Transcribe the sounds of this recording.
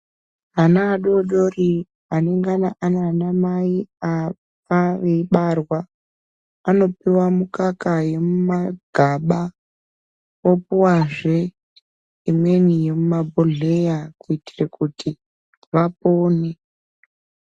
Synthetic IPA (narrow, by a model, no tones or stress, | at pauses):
ɦanaːɗo̞ɗo̞ri | ane̞ŋɡanaʔananamaia | faʋeiɓarwaː | no̞piwamukakaje̞mumaɡ̥ʱaɓa | opuwaʐe | imwe̞nije̞mumabʱoɮe̞jakuiti̥rekutʰi | ʋapoːne